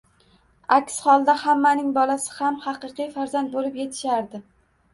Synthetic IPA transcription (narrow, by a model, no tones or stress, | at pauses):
akʲshɒlˠd̪ahamːanɪŋbɒlasɪ̥hamhɑqɨqijfaɾzand̪̚bolɪpje̞t̪ʰɪ̥ʃaɾd̪ɪ